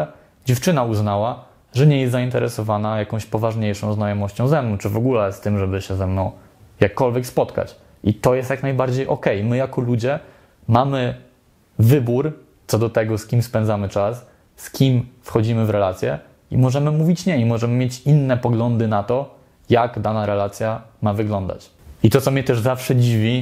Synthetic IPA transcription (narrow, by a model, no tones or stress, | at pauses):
d͡ʑɛft͡ʂɘnauznawa | ʐɛɲɛjɛst̪zaint̪ɛɾɛsɔvanajakɔ̃w̃ɕpɔvaʐɲejʂɔ̃w̃znajɔmɔɕt͡ɕɔ̃w̃zɛmnɔ̃w̃t͡ʂɘvɔɡulɛst̪ɘmʐɛbɘɕɛzɛmnɔ̃w̃ | jakːɔlvʲjɛkspɔt̪ka̰t͡ɕ | ʔit̪ɔjɛst̪jaknajbaɾd͡ʑejʔɔkɛjmɘjakɔlud͡ʑɛ | mamɘ | vɘbuɾ | t̪sɔd̪ɔt̪ɛɡɔskʲimspɛnd̪amɘt͡ʂas | skʲimfxɔd͡ʑimɘvɾɛlat̪sʲjɛ | ḭmɔʐɛmɘmuvʲit͡ɕɲɛimɔʐɛmɘmʲjet͡ɕinːɛpɔɡlɔnd̪ɘnat̪ɔ | jaɡd̪anaɾɛlat̪sʲjamavɘɡlɔnd̪a̰t͡ɕ | it̪ɔt̪sɔmʲɲɛt̪ɛʐzafʂɛd͡ʑivʲi